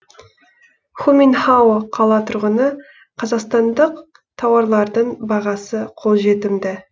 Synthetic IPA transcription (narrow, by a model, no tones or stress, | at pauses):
χuminχawoqʰɑlˠɑt̪ʰʊɾʁənə | qʰɑzɑqst̪ɑnd̪əq̚ | t̪ʰɑwɑɾlˠɑɾd̪əɴbɑʁɑsəqʰo̞lˠʒe̞t̪ɪmd̪ɪ